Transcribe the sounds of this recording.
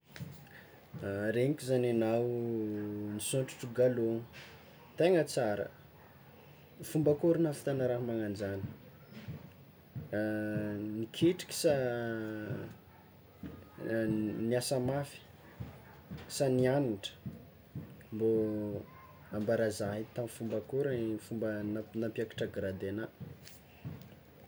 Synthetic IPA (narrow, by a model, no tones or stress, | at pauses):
ɾeɲikʲizananaw | nisoɳʈ͡ʂu̥ʈ͡ʂuɡalon | t̪eŋət͡saɾə̰ | fumbakuɾinafi̥t̪anaɾaɦmaŋand͡ʒanə̥ | nikʰeʈ͡ʂi̥kʲi̥sa | niasəmafi̥ | sanianiʈ͡ʂə̥ | mbo | ambaɾazaɦit̪amfumbakuɾfumbənanampjaki̥ʈ͡ʂaɡɾad̪ena